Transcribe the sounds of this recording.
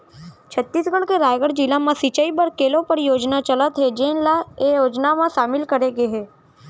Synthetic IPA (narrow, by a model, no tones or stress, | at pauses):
t͡ʃʰət̪ːiːsɡəɽkeɾaːjɡəɽd͡ʒɪlãmãsit͡ʃəibəɾkeːlõpəɾjoːd͡ʒnat͡ʃələt̪ɦed͡ʒenlaejoːd͡ʒnamãʃaːmɪlkəɾeɡeɦeː